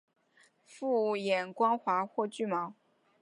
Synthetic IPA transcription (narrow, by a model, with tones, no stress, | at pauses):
fu˥˧jɛ˨˩nkwɑ˥ŋxwa˧˥xwɔ˥˧t͡ɕy˥˩mɑ˧˥ʊ